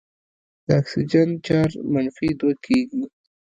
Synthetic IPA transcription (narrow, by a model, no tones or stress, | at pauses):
d̪̥əaksid͡ʒan̚t͡ʃɑɾmanfid̪wakʰeɡi